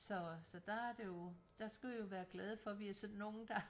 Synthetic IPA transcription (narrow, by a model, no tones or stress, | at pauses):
sɒ̽sɒ̽d̥ɑ̈æɐd̥e̝jo̝d̥ɑ̈sɡ̥æʋijo̝ʋæːɐɡ̥lɛːð̞ˠəfɒ̽ʋiæsɒ̽nnːo̝ːn̩d̥ɑ̈